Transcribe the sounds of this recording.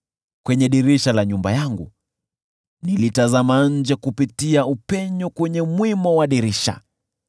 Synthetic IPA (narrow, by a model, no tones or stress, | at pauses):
kwɛɲɛɗiɾiʃalaɲumbajaŋɡṵ | nilitazamaɲ̩d͡ʒɛkupitiaupɛɲɔkwɛɲɛmwimɔwaɗiɾiʃa̰